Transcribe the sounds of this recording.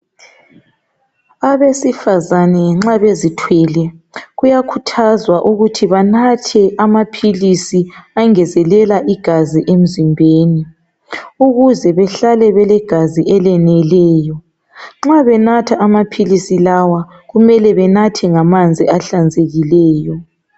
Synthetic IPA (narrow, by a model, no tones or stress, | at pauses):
aβesifazanɛŋ͡ǁaβezitʰwɛːlɛ | ɣujakʰutʰazwaʔuɣutʰiβanatʰɛʔamapʰilisiaŋɛzɛlɛlaʔiɡ̥ʱaziʔem̩zimbʱeːni | uɣuzɛβɛɬalɛβɛlɛɡ̥ʱaziʔɛlɛnɛlɛːjɔ | ŋ͡ǁaβɛnatʰaʔamapʰilisilawa | ɣumɛlɛβɛnatʰɛŋamand͡zʱiaɬand͡zʱeɣilɛːjɔ